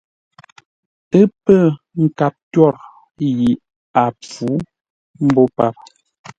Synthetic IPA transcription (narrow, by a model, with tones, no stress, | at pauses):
ə˦pə˦˨ | ŋ̩˨ka˨p̚tɥɔ˦˨ɾ | ji˨ʔ | a˨p͡fu˨˦ | m̩˦bɔ˦pa˦˨p̚